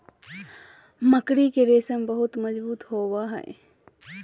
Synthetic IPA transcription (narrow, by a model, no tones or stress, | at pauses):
məkɽikeɾeːsəmbəɦʊt̪məd͡ʒbuːt̪ɦoːwaɦɛ̰e